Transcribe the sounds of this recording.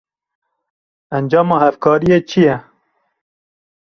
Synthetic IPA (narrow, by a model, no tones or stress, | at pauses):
ænd͡ʒɑːmɑːhæfkʰɑːɾijeːt͡ʃʰijɛ